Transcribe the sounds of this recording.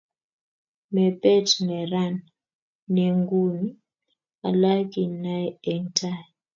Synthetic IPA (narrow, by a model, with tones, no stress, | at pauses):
mɛ˨pʼɛ˦˨tʰmɛ˨ɾa˦˨nː | e˨ŋɡu˦ni˦ | a˨la˦kʼi˨na˦jɛ˨ŋtʰa˦˨j